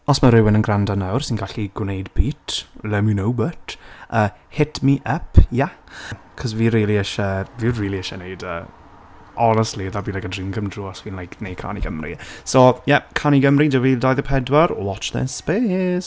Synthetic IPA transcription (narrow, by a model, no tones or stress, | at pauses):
ɔsmaɾɪwɪnənɡrandanawrsinɡaɬiɡwnejdbiːtʰlɛminowbətʰəːhɪtʰmiʔəpʰja | kʰɔzviːɾiːlˠiɛʃaviːriːlˠiɛʃanejdə̰ː | ɔnəstliðabinlajkədrinɡʰəmdruɔsviːnlˠajknejd̚kʰa̰ːnḭɡəmrḭsojɛkʰaniɡəmridɪwvidajðəpʰɛdwaɾɔ̰lɔt͡ʃðɛ̰speːs